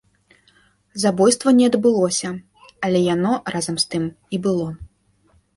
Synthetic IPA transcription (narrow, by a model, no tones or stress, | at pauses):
zabɔjst̪vɐnʲɛɐd̪bɨlˠɔsʲɐ | ɐlʲɛjanɔrazɐmst̪ɨm | ibɨlˠɔ